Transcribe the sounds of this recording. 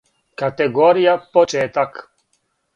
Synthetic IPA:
kat̪ɛɡoːɾijapɔt͡ʃɛːt̪ak

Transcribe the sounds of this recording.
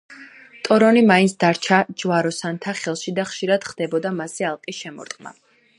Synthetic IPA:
t̪ʼɔɾɔnimaint̪sʰd̪aɾt͡ʃʰad͡ʒwaɾɔsant̪ʰaχɛlˠʃid̪aχʃiɾad̪̥χd̪̥ɛbɔd̪amasialˠqʼiʃɛmɔ̰ɾt̪ʼqʼma̰

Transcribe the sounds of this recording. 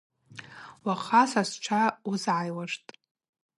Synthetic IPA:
waχasasʈ͡ʂʷʰauzʕajwaʂtʼ

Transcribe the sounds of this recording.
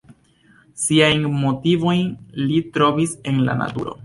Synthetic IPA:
siajnmo̞tivo̞jnlitɾo̞vise̞nla̰na̰tuɾo̞̰

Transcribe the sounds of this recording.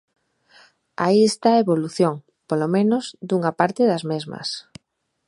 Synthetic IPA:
a̰iest̪aeβoluθjoŋ | polomẽnozd̪uŋapaɾt̪eðɐzmezmɐ̰s

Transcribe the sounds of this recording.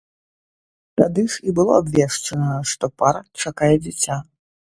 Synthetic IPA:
t̪ad̪ɨʂibɨlˠɔ̰abvʲɛʂt͡ʂɐnɐʂt̪ɔpaɾɐt͡ʂakajɛd͡zʲat͡sʲa

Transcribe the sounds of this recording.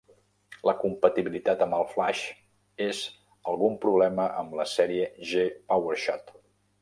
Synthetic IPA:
ləkumpət̪iβilit̪at̪əmbəlˠflaʃ | ez | əlˠɣumpɾuβlɛməʔəmləsɛɾiəʒepawəɾʃɔ̰t̪

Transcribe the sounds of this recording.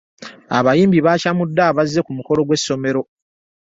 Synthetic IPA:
aβajiːmbiβaːcamudːaːβazːe̞kumuko̞lo̞ɡwe̞sːo̞me̞ɾo̞

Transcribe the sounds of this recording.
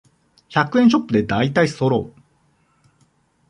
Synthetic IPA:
çakɯ̟ẽɕo̞pːɯ̟d̪e̞d̪ait̪aiso̞ɾo̞̰ː

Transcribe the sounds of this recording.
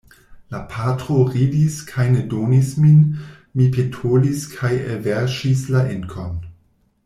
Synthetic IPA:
lapʰatɾoʁidiskʰajnedonismin | mipʰetʰoliskʰajḛlveɾʃislaʔenkʰon

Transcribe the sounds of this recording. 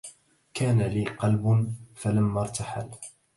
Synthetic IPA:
kaːnaliːqɑlbnfalamːɑɾˤt̪aħa̰l

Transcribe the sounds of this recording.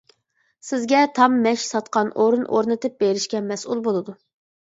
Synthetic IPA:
sɪzɡʲɛt̪ʰɑmːɛʃsɑt̪qɑnʔoɾunʔoɾnɨt̪ɨp̚beɾɪʃkʲɛmɛsulˠbolˠɨd̪u

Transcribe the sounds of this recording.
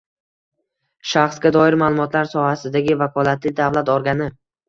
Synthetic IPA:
ʃaχsɡʲad̪ɒɪɾmaːlˠʊmɒt̪ʰlaɾsɒhasɪd̪aɡʲɪvakʰɒlˠat̪ʰɪd̪avlˠat̪ɒɾɡʲanɪ

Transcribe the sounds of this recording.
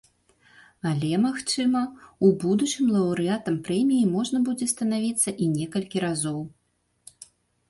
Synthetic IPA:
alʲɛmaxt͡ʂɨmɐubud̪ut͡ʂɨmlˠɐwɾɨat̪ɐmpɾɛmʲijimɔʐnɐbud͡zʲɛst̪ɐnavʲit̪sːɐʔinʲɛkɐlʲkʲiɾazɔw

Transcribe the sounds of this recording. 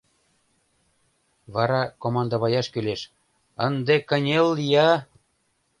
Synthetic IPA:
βɑɾɑkomɑnd̪əβɑjɑʃkyleʃ | ənd̪ekə̆nʲelːjɑ

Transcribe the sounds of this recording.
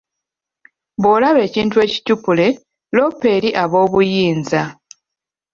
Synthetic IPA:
βoːlaβe̞ːciːntue̞ːci̥cupule̞ | lo̞pːe̞ːɾiʔaβo̞ːβujiːnza

